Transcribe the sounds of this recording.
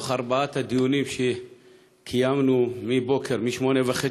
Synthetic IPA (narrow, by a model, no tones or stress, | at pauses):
χaʁbaat̪had̪ijunimʃe | kʰijamnumibo̞kʰeʁmiʃmo̞nevaχe